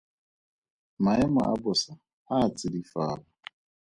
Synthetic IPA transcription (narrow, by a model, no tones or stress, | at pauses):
maɪma̰ʔa̰bʊsa | at͡sɪdifaːla